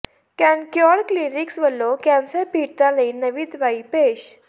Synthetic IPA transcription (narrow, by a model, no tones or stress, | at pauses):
kãnkjɔɽkliɾiksʋəlːokãnsəɾpiɽt̪aləinəʋiːd̪ʋaipeɕ